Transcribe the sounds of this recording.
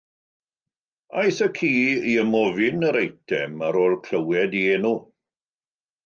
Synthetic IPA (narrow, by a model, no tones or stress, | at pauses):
ajθəkʰiːiəmɔvɪnəɾejtʰɛmaɾoːlkʰl̥əwɛdieːnu